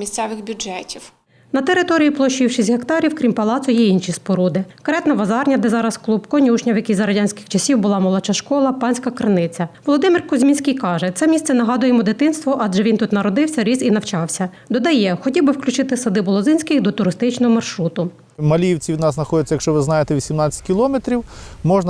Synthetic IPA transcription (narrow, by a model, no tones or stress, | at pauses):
isʲt̪sɛʋɪxbʲʊɛtʲiw | nɐt̪eɾɪt̪ɔɾʲijiplˠɔʃiwʃizʲɦekt̪ɑɾʲiwkɾʲimpɐlˠɑt̪sɔjɛinʃispɔɾud̪ɪkɾɛt̪nɐʋɐzɑrnʲɐd̪ɛzɑɾɐsklˠupkɔnʲuʃnʲɐwjɐkʲijzɐɾɐdʲanʲsʲkɪ̥xt͡ʃɐsʲiwbʊlˠɑmɔlˠɔt͡ʃɑʃkɔlˠɐpɑnʲsʲkɐkɾenɪt͡sʲɐʋɔlˠɔd̪ɪmɪrkɔzʲmʲinʲsʲkijkɑʒɛt̪sɛmʲist̪sɛnɐɦɑd̪ʊjemɔd̪ɪt̪ɪnst̪ʋɔʔɑdʒɛʋʲint̪ut̪nɐɾɔd̪ɪwsʲɐɾʲizinɐwt͡ʃɑwsʲɐ | d̪ɔd̪ɐjɛxɔtʲiwbɪwklʲʊt͡ʃɪt̪ɪsɐd̪ɪbɔlˠɔzɪnʲsʲkɪɣd̪ɔt̪ʊɾɪst̪ɪt͡ʃnɔɦɔmɐrʃɾut̪ʊ | mɐlʲijwt͡sʲiʋʲid̪nɑsnɐxɔdʲɛt͡sʲɐjɐkʃt͡ʃɔʋɪznɑjet̪eʋʲisʲimnat͡sʲɐ̥t̚ʲkʲilˠɔmet̪ɾʲiwmɔʒnɐ